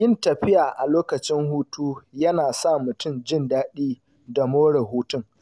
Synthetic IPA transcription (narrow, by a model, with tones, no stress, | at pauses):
jɪ˦˨ntɐ˨ɸɪ˦jaː˨ʔa˨loː˦kɐ˨t͡ʃɪ˦ŋhuː˦tuː˦jɐ˦naː˨sa˦˨mʊ˨tʊ˦md͡ʒɪ˦ndaː˦ɗiː˦ | da˨moː˦ɽɛ˨ɦuː˦tʊ˦ŋ